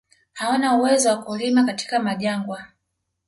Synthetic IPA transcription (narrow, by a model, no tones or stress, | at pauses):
haɔnauwɛzɔwakulimakati̥kamaʄaŋɡwa